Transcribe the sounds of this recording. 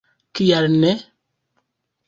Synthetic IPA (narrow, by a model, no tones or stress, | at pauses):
kijaɾnɛ